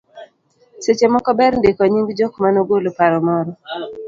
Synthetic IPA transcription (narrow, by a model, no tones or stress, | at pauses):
set͡ʃemɔkɔbɛɾndekɔɲiŋɡd͡ʒokmanoɡolopaɾɔmɔɾɔ